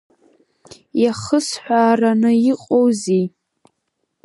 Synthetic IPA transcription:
jaχəsħᶣʷaːranɨjiqʼowzi

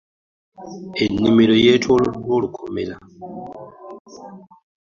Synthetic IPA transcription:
enːimelo̞jeːtʰololwolukʰo̰mḛla

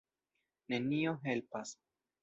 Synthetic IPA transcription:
ne̞nio̞ɦe̞lpas

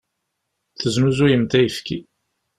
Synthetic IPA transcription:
θəznuzujəmt̪æjəfki

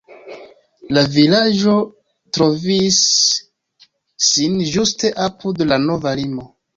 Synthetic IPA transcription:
lavilaʒo̞ | tɾo̞vis | inʒuste̞ʔapudlano̞valimo̞

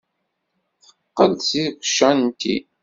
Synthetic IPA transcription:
θəqːəlsikʷʃːænt̪ḭ

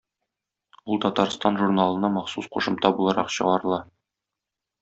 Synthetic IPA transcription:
ulˠt̪ɒt̪ɑɾst̪ɑnʒurnalˠɤ̆nɑmɑχsusquʃɤ̆mt̪ɑbulˠɑɾɑqɕɤ̆ʁɑɾɤ̆lˠɑ

